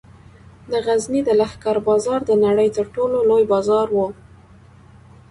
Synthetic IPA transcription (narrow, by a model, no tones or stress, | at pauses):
d̪əɣaznid̪əlahkaɾbɑzɑɾd̪ənaɽəjt̪əɾʈololojbɑzɑɾwo